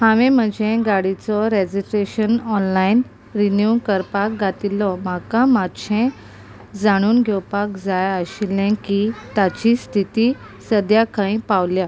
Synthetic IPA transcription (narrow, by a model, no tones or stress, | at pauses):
hãʋẽm̤əd͡ʑʱẽɡaɽit͡sɔɾed͡ʑisɾeɕənɔnlain | ɾinjukəɾpak̚ɡat̪ilɔmakamadɕʰẽ | d͡zaɽ̃uːnɡʱɛwpakd͡zajəɕilɛ̃kit̪at͡ɕist̪ʰit̪iː | səd̪jakãĩpawlja